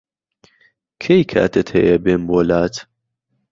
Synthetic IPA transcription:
kʰejkʰa̰ːt̪ʰət̪hɛ̰jɐbeːnboːlaːt̪

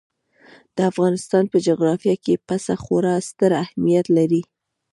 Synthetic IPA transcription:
d̪̥əafɣɑnɪst̪ɑnpəd͡ʒoɣɾɑfjɑkepasaxoɾɑst̪əɾahmijat̪laɾi

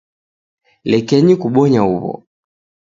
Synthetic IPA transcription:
lɛkɛɲikuɓɔɲauβɔ̰

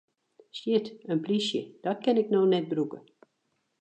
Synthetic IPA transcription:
sjɪtənplisjə̰d̥ɔt̚kɛnɪknoːnɛt̚brukə

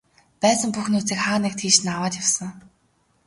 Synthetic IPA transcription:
pæːsə̆mpuxnuːt͡siːkχaːnek̚t̪ʰiːʃ̆nawaːt̪jawsə̆ŋ

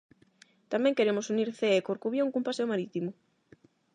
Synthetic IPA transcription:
t̪amɛ̃ŋkeɾemʊsuniɾθeekoɾkuβjoŋkumpaseomaɾit̪imʊ

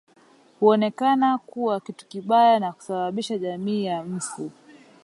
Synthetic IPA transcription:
huɔnɛkanakuwakitu̥kiɓajanaku̥saɓaɓiʃaʄamiːjam̩fu

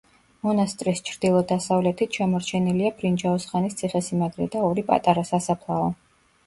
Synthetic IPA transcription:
mɔnast̪ʼɾist͡ʃʰɾd̪̥ilˠɔd̪asavlɛt̪ʰit̪ʰʃamɔɾt͡ʃʰɛniliabɾind͡ʒaɔsχanist̪sʰiχɛsimaɡɾɛd̪aɔɾipʼa̰t̪ʼaɾasasapʰlˠaɔ

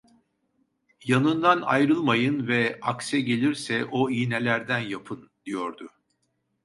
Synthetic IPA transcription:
janɯnd̪ana̰jɾɯlˠmajɯnvɛaksɛɟe̞lʲiɾsɛʔoinɛlʲæɾd̪ænjapʰɯnd̪̥ijo̞ɾd̪ʊ

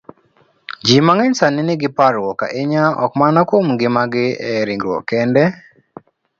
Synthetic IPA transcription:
d͡ʒimaŋɛɲsanɪnɪɡɪpaɾwɔka̰ʔeɲaɔ̰kmanɔkomɡɪmaɡɪɛɾiŋɡɾwɔ̰kɛndɛ

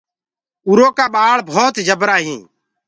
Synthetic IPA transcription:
uɾoːkaːɓaːɭbʱoːt̪d͡ʒəbɾaːɦĩː

